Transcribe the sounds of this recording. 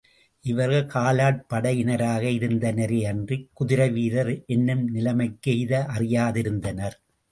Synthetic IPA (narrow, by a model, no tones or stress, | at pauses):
ʔɪʋɐɾɣɐɭkaːlaːʈ̚pɐɽɐjɪnɐɾaːɣɐɪɾɯnd̪ɐnɐɾeɐndrikːʊðɪɾɐʋiːɾɐɾʔɛnːɯmnɪlɐmɐɪkːejðɐʔɐrɪjaːðɪɾɯnd̪ɐnɐɾ